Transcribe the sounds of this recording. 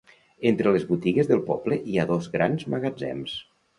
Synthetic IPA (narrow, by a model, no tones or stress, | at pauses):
ent̪ɾələzβut̪iɣezðəlˠpɔbləʔiaðozɣɾa̰nzməɣəd͡zɛ̰ms